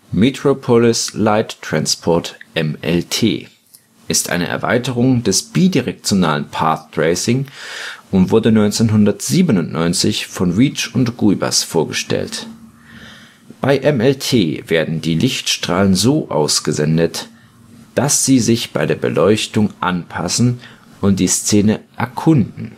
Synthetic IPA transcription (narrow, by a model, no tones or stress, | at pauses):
metʁ̥opʰɔlɪslaɪtːʁ̥anspʰɔɐtʔɛmʔɛ̰ltʰḛː | ʔɪstʔa̰ɪnə̰ʔɛ̰ɐva̰ɪtəʁ̞ʊŋdɛsb̥iːdiʁɛk̚t͡sjona̰ːlənpʰa̰ɐθdʁeɪsɪŋ | ʊntv̥ʊɐdənɔʏnt͡senɦʊndɐtz̥iːbənʊntnɔʏnt͡sɪçfɔnʁiːt͡ʃʊntɡ̥uba̰sfoːɐɡəʃtɛ̰lt | b̥aɪʔɛmɛltʰeːveːɐdn̩diːlɪçtʃtʁ̥aːlənzoːʔa̰ʊsɡ̥əzɛndət | d̥asz̥iːzɪçb̥a̰ɪdeːɐbə̰lʔɔʏçtʊŋʔanpʰasn̩ | ʔʊnt̚d̥iːst͡seːnəʔɛɐkʰʊndn̩